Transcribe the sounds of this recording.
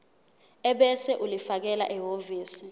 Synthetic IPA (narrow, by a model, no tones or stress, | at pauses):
ɛɓɛsɛʔulifak̬ɛla̰ʔɛɦoviːsi